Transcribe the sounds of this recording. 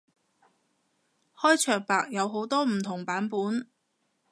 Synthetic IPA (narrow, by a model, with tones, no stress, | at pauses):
hɔː˥jt͡ʃʰœː˨k̚paː˨k̚jɐ˨˧wɦo˨˥wt̪ɔː˥m̩˨˩t̪ʰʊ˨˩ŋpaː˨˥npuː˨˥n